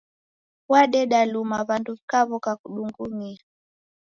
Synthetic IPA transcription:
waɗɛɗalumaβanduβikaβɔkakuɗuŋɡumia

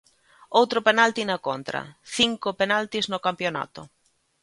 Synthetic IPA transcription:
owt̪ɾopenalt̪inakont̪ɾa̰θiŋkopenalt̪iznokampjona̰t̪o

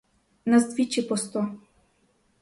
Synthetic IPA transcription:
nɐzd̪vʲit͡ʃipɔst̪ɔ

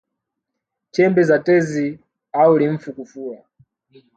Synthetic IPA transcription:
t͡ʃɛmbɛzatɛzi | auliɱ̩fukufua

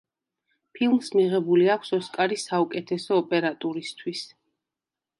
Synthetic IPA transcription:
pʰilˠmsmiʁɛbuliakʰsɔskʼaɾisaukʼɛt̪ʰɛsɔːpʼɛɾat̪ʼuɾist̪ʰwis

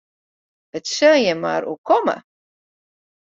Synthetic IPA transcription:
ətsøːjɛma̰ɾṵkɔmə̰

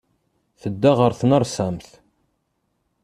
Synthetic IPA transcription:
θəd̪ːaʁəɾθnəɾˤsæmθ

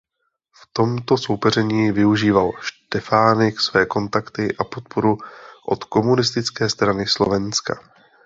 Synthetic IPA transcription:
ft̪o̞mt̪o̞so̞wpɛrɛɲiːvɪuʒiːvalʃt̪ɛfaːnɪksvɛːko̞nt̪akt̪ɪʔapo̞t̪̚pʰo̞ɾuʔo̞̰t̪ko̞munɪst̪ɪt͡skɛːst̪ɾanɪslo̞vɛnska̰

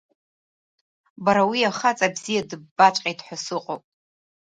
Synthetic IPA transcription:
baɾawiaχat͡sʼabzijadɨbːat͡ʃʷʼqʲʼedħʷasɨqʼowpʼ

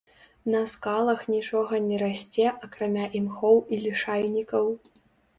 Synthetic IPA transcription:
nɐskalˠɐxnʲit͡ʂɔɣɐnʲɛɾasʲt͡sʲɛʔɐkɾamʲaʔimxɔwilʲiʂajnʲikɐw

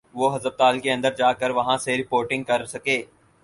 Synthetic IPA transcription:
ʋoɦɐzəb̚t̪aːlkeɐ̃nd̪əɾd͡ʒaːkəɾʋɐɦãseɾɪpoːɾʈɪ̃ŋɡ̚kɐɾsɐkeː

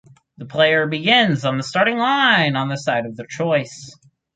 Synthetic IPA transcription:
ðəpʰl̥eɪə˞bɨɡɪ̃nzn̩ðəstɑɹɾɪ̃ŋlãɪ̃nə̃nðɨsaɪɾʌvðɨt͡ʃʰɔɪs

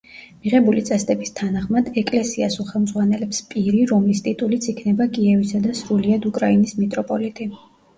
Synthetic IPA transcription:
miʁɛbulit̪sʼɛst̪ʼɛbist̪ʰanaχmad̪̥ɛkʼlɛsiasuχɛlˠmd̪zʁwanɛlɛpspʼiɾiɾɔmlist̪ʼit̪ʼulit̪sʰikʰnɛbakʼiɛvisad̪asɾuliad̪ukʼɾainismɛt̪ʼɾɔpʼɔlit̪ʼi

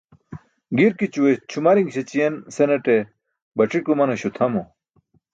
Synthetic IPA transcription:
ɡiɾkit͡ɕuwet͡ɕʰumɐɾiŋɡɕet͡ɕienseneʈe | bɐʈ͡ʂikumɐnɐɕut̪ʰɐmo

